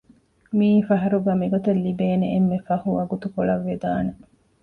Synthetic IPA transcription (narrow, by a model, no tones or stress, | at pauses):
miːfɐɦɐɾuɡæːmiɡot̪ɐlːibeːneemːefɐhuɐɡut̪ukoɭɐʋːed̪aːne